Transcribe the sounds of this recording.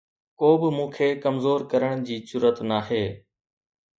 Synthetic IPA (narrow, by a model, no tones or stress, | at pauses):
koːbɪmũːkʰeːkəmzoːɾkəɾəɽ̃d͡ʑiːsʊɾət̪naːɦeː